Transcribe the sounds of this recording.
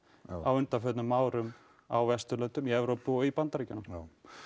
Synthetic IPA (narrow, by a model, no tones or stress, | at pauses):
awʏnt̪afœt̪nʏmːaːwɾʏm | awvɛst̪ʏlœnt̪ʏmiɛvɾowpɪɔɣipant̪aɾicanam